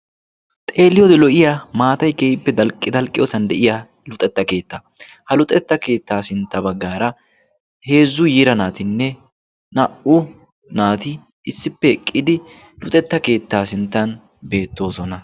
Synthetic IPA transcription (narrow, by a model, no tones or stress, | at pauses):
t̪ʼe̞ːlːɪjɔd̪ɛlɔʔɪjamaːt̪ɐjkeːjɪpːɛd̪ɐlkʼːɪd̪ɐlkʼːɪjoːsɐnd̪ɛʔɪja | lʊt̪ʼɛt̪ːɐke̞ːt̪ːɐ | hɐlʊt̪ʼɛt̪ːɐke̞ːt̪ːaːsɪnt̪ːɐbɐɡːaːɾɐ | he̞ːzːʊjiːɾɐnaːt̪ɪnːɛ | nɐʔʊ | naːt̪ɪ | ɪsːɪpːɛɛkʼːɪd̪ɪ | lʊt̪ʼɛt̪ːɐke̞ːt̪ːaːsɪnt̪ːɐn | be̞ːt̪ːo̞ːsɔnɐ